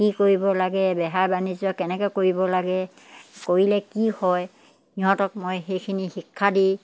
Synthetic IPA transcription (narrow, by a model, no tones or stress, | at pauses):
kikoɹibɔlaɡɛbɛɦaɹbanizɔkɛnɛkɛkoɹibɔlaɡɛ | koɹilɛkihɔj | niɦɔtɔk̚mojxejkʰinixikʰːadi